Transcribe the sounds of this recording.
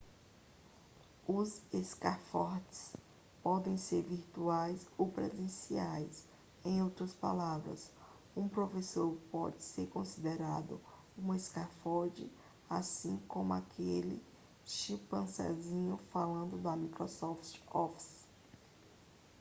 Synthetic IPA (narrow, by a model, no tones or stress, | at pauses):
ʊzeskafɔɾt͡ʃɪ̥s | pɔd̪ẽj̃seɾviɾt̪uajsowpɾezẽsiajs | ẽj̃owt̪ɾɐspa̰lavɾɐ̰s | ũpɾofesoɾpɔd͡ʒɪseɾkõsid̪eɾad̪ʊ | ũmeskafɔɾd͡ʒɪ | asĩkõmʊakʰelɪ | ʃĩpɐ̃sɛ̰zĩɲʊfalɐ̃nd̪ʊd̪ɐmikɾosɔft͡ʃɔfs